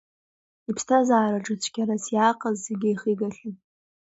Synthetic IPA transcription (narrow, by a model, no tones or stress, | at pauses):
ipʰstʰazaːɾaʈ͡ʂʼɨt͡sʷʰkʲaɾasjaːqʼəzːeɡʲɪjχiɡaɬʲan